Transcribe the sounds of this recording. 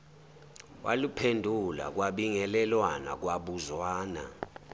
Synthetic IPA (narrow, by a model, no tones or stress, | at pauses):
wʔa̰lupʰendʱula̰k̬waɓiŋɛlɛlwana̰k̬waɓuzwaːna̰